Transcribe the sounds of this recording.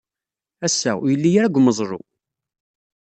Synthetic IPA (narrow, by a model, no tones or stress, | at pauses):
æsːæ̰jəlːijæɾæɡʷməzˤɾˤo̰